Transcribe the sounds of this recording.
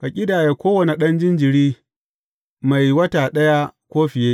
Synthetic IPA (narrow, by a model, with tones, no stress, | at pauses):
ka˨kʲʼɪ˦daː˨jeː˦kʷoː˦wɐ˨ne˨ɗɐ˦nd͡ʒɪ˦nd͡ʒɪ˨ɽiː˦ | ma˨jwɐ˦taː˨ɗɐ˦ja˦kʷoː˦ɸɪ˨jeː˦ʔ